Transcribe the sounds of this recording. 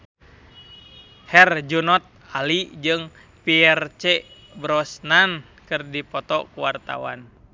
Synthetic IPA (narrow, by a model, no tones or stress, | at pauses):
hɛrd͡ʒunɔt̪̚alid͡ʒɨŋ | piɛrt͡ʃɛ | bɾɔsnan | kɨrdipɔt̪ɔ̰kuwart̪a̰wa̰n